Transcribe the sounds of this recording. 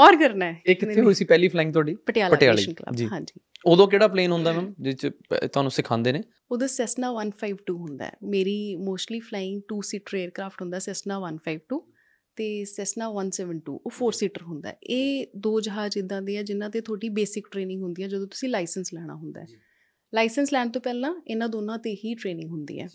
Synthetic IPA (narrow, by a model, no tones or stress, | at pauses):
ɔːɾkəɾnaɛːɪkːɪt̪ʰːeɦoisiːpɛːliːpʰlaːɪ̃ŋɡ̚t̪ʊwaːɖiːpəʈɪjaːlpəaɪjaːelḭʃənklə̰bbd͡ʒiːɦãːd͡ʒiːoːd̪õːk̬eːɽaːpleːnɦʊ̃nd̪aɛːmɛːmd͡ʒɪt͡ʃt̪ʊaːnũːsɪkʰãːnd̪eːneː | oːd̪ãːsɛːsnaːʋənpʰaːɪʋʈuːɦʊ̃nd̪a̰ɛ̰ːmeːɾiːmoːsʈliːpʰlaːɪ̃ŋɡ̚ʈuːsiːʈəɾeːɾkɾaːpʰʈɦʊ̃nd̪aːsɛːsnaːʋənpʰaːɪʋʈuː | t̪eːsɛːsnaːʋənsɛːʋəɳʈṵːʔoːpʰoːɾsiːʈəɾɦʊnd̪a̰ːeːd̪oːd͡ʒəɦaːd͡ʒɪd̪ãːd̪iːɛːd͡ʒɪnãːt̪eːt̪ʰoːʈiːbeːsɪkʈɾeːnɪ̃ŋɡɦʊ̃nd̪iːɛːd͡ʒəd̪õːt̪ʊ̥sĩːlaːɪsənslɛːɽ̃a̰ːɦʊ̃nd̪a̰ːɛː | laːɪsənslɛːɳt̪õːpɛːlãːɪnãːd̪oːnãːt̪eːɦiːʈɾeːnɪ̃ŋɡɦʊnd̪ḭːɛ̰ː